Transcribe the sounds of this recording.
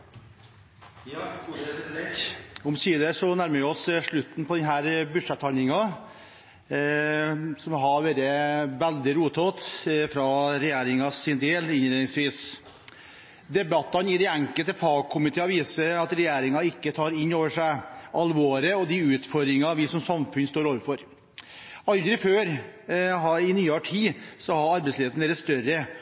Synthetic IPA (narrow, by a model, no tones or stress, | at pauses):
ɔmsiːd̪əsɔnæɾməɾʋɪɔsʂɭʉt̪ːn̩pʰɔd̪ɛnɦæːɾbʉʂɛt̪ːhɑlnɪŋɑ | sɔmɦɑɾʋeːɾəʋæld̪ɪɾuːt̪ʰoːt̪fɾɑɾɛjeːɾɪŋɑsɪnd̪eːlɪnleːnɪŋsʋiːs | d̪ɛbɑt̪ːɑnɪd̪ɛæŋkəlt̪əfɑːɡ̚kʰʊmɪt̪ʰeːɑʋiːsəɾɑt̪ɾɛjeːɾɪŋɑɪkːət̪ʰɑːɾɪnːoːʋəʂæɪʔɑlʋoːɾəɔd̪ɪʉːt̪fɔɾd̪ɾɪŋɑʋɪsɔmsɑmfʉnst̪oːɾoːʋəɾfɔɾ | ɑld̪ɾɪføːɾ | ɦɑɪnyːɑʈʰiːsɔhɑɾɑɾbɛɪslɪeːt̪n̩ʋeːɾəst̪œɾə